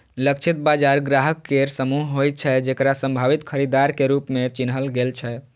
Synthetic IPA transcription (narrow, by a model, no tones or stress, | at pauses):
ləkt͡ʃʰit̪bad͡ʒaɾɡɾaɦəkːeɾsəmuɦɦojt̪̚t͡ʃʰɛd͡ʒekɾasə̃mbʱaʋit̪kʰəɾid̪aɾkeɾupmet͡ʃinɦəlɡelt͡ʃʰɛ